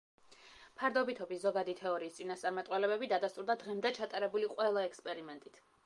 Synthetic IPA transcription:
pʰaɾd̪ɔbit̪ʰɔbiszɔɡad̪it̪ʰɛɔɾiːst̪sʼinast̪sʼaɾmat̪ʼqʼwɛlɛbɛbid̪ad̪ast̪ʼuɾd̪ad̪ʁɛmd̪ɛt͡ʃʰat̪ʼaɾɛbuliqʼwɛlˠaɛkspʼɛɾimɛnt̪ʼit̪ʰ

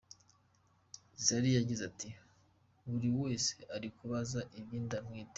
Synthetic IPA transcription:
zaɾijaɟizatʰi | βuɾiwe̞ːseʔaɾikuβazaʔiβjiːndamŋiːte

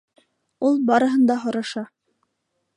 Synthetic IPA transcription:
ulˠbɑɾɤ̆ɦɤ̆nd̪ɑɦŏɾɑʃɑ

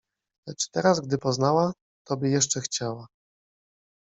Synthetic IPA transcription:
lɛt͡ʂt̪ɛɾazɡd̪ɘpɔznawa | t̪ʰɔbʲɘjɛʂt͡ʂɛxt͡ɕawa

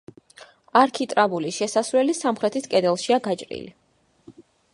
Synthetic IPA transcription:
aɾkʰit̪ʼɾabuliʃɛsasvɾwɛlisamχɾɛt̪ʰiskʼɛd̪ɛlˠʃiaɡat͡ʃʼɾḭli

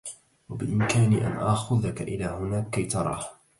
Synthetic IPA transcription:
wabɪʔɪmkaːnḭːʔa̰nʔaxʊðakaʔɪlaːhʊnaːkːajt̪ɑɾˤɑ̰ːh

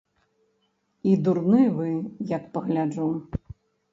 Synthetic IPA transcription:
id̪urnɨvɨjɐk̚pɐɣlʲad͡ʐu

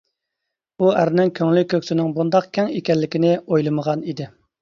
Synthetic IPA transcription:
uæɾnɪŋkʲʰøŋlykʲʰøkʲsɪnɪŋbund̪ɑqkʲʰɛŋekʲɛlːɪkʲɪnɪojlˠɨməʁɑnid̪ɪ

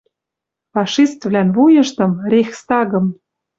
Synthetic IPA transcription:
fɑʃist̪vlænvujɤ̆ʃt̪ɤ̆mɾʲexst̪ɑɣɤ̆m

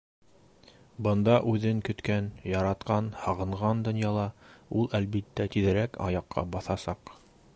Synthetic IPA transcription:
bɤ̆nd̪ɑʔʉðɘŋkɵ̆t̪kænjɑɾɑt̪qɑnhɑʁɤ̆ɴʁɑnd̪ŏnjɑlˠɑulˠælbit̪ːæt̪iðɘ̆ɾækɑ̰jɑqʰːɑ̰bɑθɑsɑq

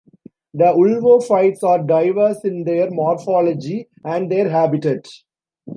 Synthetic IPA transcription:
d̪əʊlʋoːfaɪʈsaːɾɖaɪʋəɾsɪ̃nd̪eəɾmɔːɾfɔːlɔd͡ʒi | æ̃ɳɖd̪eəɾɦæːbɪʈeʈ

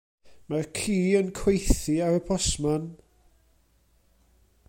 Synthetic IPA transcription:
markʰiːənkʰw̥ejθɪaɾəpʰɔsman

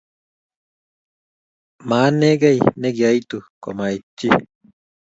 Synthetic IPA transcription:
maːneɡajneɡiait̪uko̰mait͡ʃːi

